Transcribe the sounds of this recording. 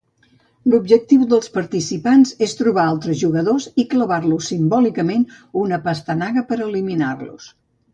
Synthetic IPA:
lubʒək̚t̪iwðəlˠspəɾt̪isipanzest̪ɾuβ̞aalˠt̪ɾəzʒuɣəðozikləβarlusimbɔlikəmen | unəpəst̪ənaɣəpəɾəliminarlṵs

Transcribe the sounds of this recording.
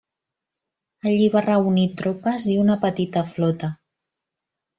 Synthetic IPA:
əʎiβarəunit̪ɾopəziunəpət̪it̪əflɔt̪ə

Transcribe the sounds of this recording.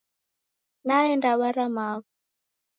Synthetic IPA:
naɛndaβaɾamaβu

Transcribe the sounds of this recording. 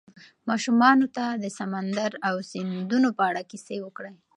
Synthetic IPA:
mɑʃumɑnot̪ad̪əsamand̪aɾawsind̪unopəaɽakisewəkɽəj

